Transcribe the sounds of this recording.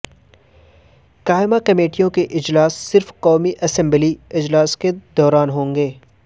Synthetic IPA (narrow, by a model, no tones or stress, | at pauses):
kaːɪmakɐmeːʈijõkeʔɪd͡ʒlaːsːɪɾfkɔːmiʔɐsɛ̃mbliɪd͡ʒlaːsked̪ɔːɾaːnɦõːŋɡeː